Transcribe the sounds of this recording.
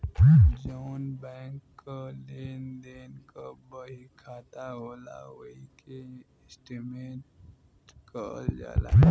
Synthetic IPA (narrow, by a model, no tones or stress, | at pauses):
d͡ʒoːnbɛːŋkːaleːnd̪eːnkabəɦikʰaːt̪aɦoːla̰ʋoike | sʈimeːʈ | kəld͡ʒa̰ːla̰ː